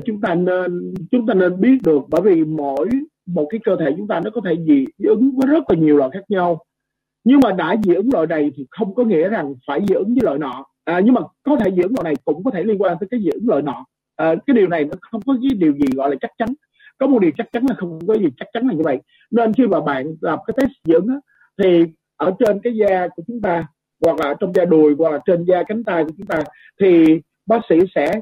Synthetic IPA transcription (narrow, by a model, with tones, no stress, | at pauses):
t͡ɕʊ˨˦ŋ͡mt̪aː˧ne˧nt͡ɕʊ˨˦ŋ͡mt̪aː˧ne˧nɓi˦˥ət̚ɗɨ˨˩ək̚ɓəː˧˩jvi˨˩mo˧˩˨j | mo˨˩t̚kaː˨˦jkəː˧t̪ʰe˧˩t͡ɕʊ˨˦ŋ͡mt̪aː˧nɔ˨˦kɔ˨˦t̪ʰe˧˩zḭ˧˨ʔɨ˨˦ŋvəː˨˦jzə˦˥t̚laː˨˩ɲi˨˩əwlɔ̰ː˧˨jxaː˦˥k̚ɲa˧w | ɲɨ˧ŋmaː˨˩ɗa̰ː˧˩zḭ˧˨ʔɨ˨˦ŋlo̰˧˨jna˨˩jt̪ʰi˨˩xə˧wŋ͡mkɔ˨˦ŋḭ˧˥əza˨˩ŋfaː˧˩jzɨ̰˧˦ʔɨ˨˦ŋzəː˨˦lə̰˧˨jnɔ̰˧˨ | ʔɲɨ˧ŋmaː˨˩kɔ˨˦t̪ʰe˧˩zɨ̰˧˨ɨ˨˦ŋlo̰˧˨na˨˩jkʊ̰˧˥ŋ͡mkɔ˨˦t̪ʰe˧˩li˧ənkwaː˧nt̪əː˨˦jkaː˨˦jzɨ̰ː˧˨ʔɨ˨˦ŋlo̰ː˧˨jnɔ̰˧˨ | ʔːkaː˦jɗi˨˩wna˨˩jnɔ˨˦xə˧wŋ͡mkɔ˨˦k̬aː˨˦jɗi˨˩əwzi˨˩ɣɔ̰˧˨jlaː˨˩t͡ɕa˦˥k̚t͡ɕa˨˦n | kɔ˨˦m˨˩t̚ɗi˨˩əwt͡ɕa˦˥k̚t͡ɕa˨˦nlaː˨˩xə˧wkɔ˨˦zi˨˩t͡ɕa˦˥k̚t͡ɕa˨˦nlaː˨˩jɲɨ˧və̰˧˨j | ne˧nxi˧maː˨˩ɓa̰ː˧˨nlaː˨˩m˨˩kaː˨˦jt̪ʰe˦˥s̚zɨ̰˧˥əŋʔaː˨˦ | t̪ʰi˨˩ | ʔəː˧˩t͡ɕe˧nkaː˨˦jzaː˧ku˧˩ət͡ɕʊ˨˦ŋ͡mt̪aː˧ | ɣwa˨˩k̚laː˨˩˦t͡ɕɔ˧wŋ͡mzaː˧ɗu˨˩əjɣwa˨˩k̚laː˨˩t͡ɕe˧nzaː˧ka˨˦ŋ̟t̪aː˧jku˧˩t͡ɕʊ˨˦ŋ͡mt̪aː˧ | t̪ʰi˨˩ | ɓaː˦˥k̚sḭ˧˥sɛ̰˧˥